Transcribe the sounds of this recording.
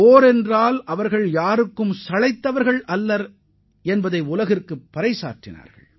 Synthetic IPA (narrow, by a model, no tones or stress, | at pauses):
oːɾɛndraːlʔɐʋɐɾɣɐɭjaːɾɯkːɯmsɐlɐɪt̪ːɐʋɐɾɣɐɭɐlːɐɾ | ɛnbɐðɐɪʊlɐɣɪrkɯpːɐɾɐɪsa̰ːʈːɪna̰ːɾɣɐ̰ɭ